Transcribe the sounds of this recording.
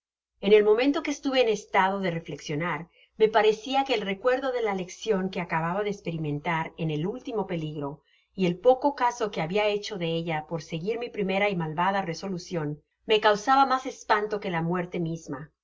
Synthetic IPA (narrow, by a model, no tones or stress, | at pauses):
e̞ne̞lmo̞mẽ̞nt̪o̞keːst̪uβe̞ːnest̪að̞o̞ðere̞fle̞ksjo̞naɾ | me̞paɾe̞siake̞ːlre̞kwe̞ɾðo̞ðe̞lale̞ksjo̞ŋke̞akaβaβaðeːspe̞ɾimẽ̞nt̪aɾe̞ne̞lult̪imo̞pe̞liɣɾo̞ | ie̞lpo̞ko̞kaso̞ke̞aβiae̞t͡ʃo̞ðe̞eʝapo̞ɾseɣiɾmipɾime̞ɾaimalβaðare̞so̞lusjo̞n | me̞kawsaβamase̞spant̪o̞ke̞lamwe̞ɾt̪e̞mizma